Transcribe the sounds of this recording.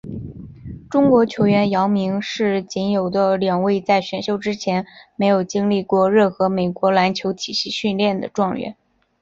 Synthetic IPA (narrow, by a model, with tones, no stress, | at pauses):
ʈ͡ʂʊ˥ŋkwɔ˧˥t͡ɕʰjo˧˥ʊɥɛ˧˥njɑ˧˥ʊmi˧˥ŋʂɻ̩˥˩t͡ɕi˧˥njo˨˩ʊd̪ə˦ljɑ˨˩ŋwe˥˧ɪt͡sa˥˩ɪɕɥɛ˨˩nɕjo˥˩ʊʈ͡ʂɻ̩˥t͡ɕʰjɛ˧˥nme˧˥ɪjo˨˩ʊt͡ɕi˥ŋli˥˧kwɔ˥˧ɻə˥˩nxɤ˧˥me˨˩ɪkwɔ˧˥la˧˥nt͡ɕʰjo˧˥ʊt̪ʰi˨˩ɕi˥˧ɕy˥˧nljɛ˥˩nd̪ə̰˩ʈ͡ʂwɑ˥˧ŋɥɛ̰˥˩˦n